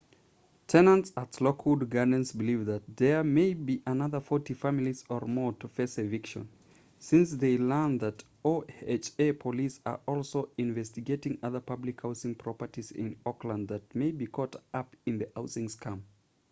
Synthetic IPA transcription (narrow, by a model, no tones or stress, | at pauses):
tʰɛnə̃ntsətlɔkʰhudɡanɨ̃nsbɨlivðɨt̪̚ðə˞meɪbiʔənʌðə˞fɔtifæmlˠizə˞mɔɹtʰəfesɨvɪkʃə̰̃n | sɪ̃nsðeɪlɜ̃˞nðɨt | oet͡ʃepʰəlisə̰˞ʔɔlˠsoʊɪ̃ɱvɛstɨɡeɪtɪ̃ŋʌðə˞pʰʌblɨkhaʊsɪ̃ŋpʰɹ̥ɔpə˞ɾizɪ̰̃nɔklə̃nd̪̚ðɨt̚meɪbikʰɔtʌpɨ̃nðɨhaʊsɪ̃ŋskʰʌ̃m